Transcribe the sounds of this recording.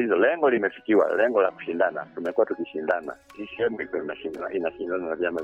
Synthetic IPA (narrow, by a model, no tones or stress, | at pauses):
izɔlɛŋɡɔlimɛfi̥kiwa̰lɛŋɡɔlaku̥ʃindana̰tumɛkuwatukiʃindana̰ | tiʃiɛmikɔnaʃiaa̰inaʃindananavjama